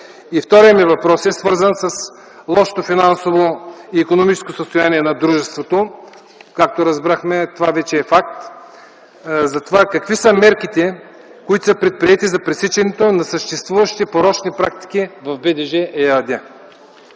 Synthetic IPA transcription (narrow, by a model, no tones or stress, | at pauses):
ift̪ɔɾijəmivɐpɾɔsɛsvɤɾzənsɐs | lˠɔʃo̥t̪ofinansovoiːkonomit͡ʃɛ̥skosəst̪ojaniɛnɐd̪ɾuʒɛst̪vot̪o | kak̚t̪oɾɐzbɾaxmɛt̪ovavɛt͡ʃɛːfak̚t̪ | zɐt̪ovakɐkvisəmɛɾkit̪ɛ | koit̪o̥səpɾɛt̪̚pɾiɛt̪izɐpɾɛsit͡ʃɛnɛt̪onɐsəʃt̪ɛst̪vuvɐʃi̥t̪ɛpoɾɔt͡ʃnipɾak̚t̪i̥k̟ivɐvbɛd̪ɛʒɛʔɛad̪ʲa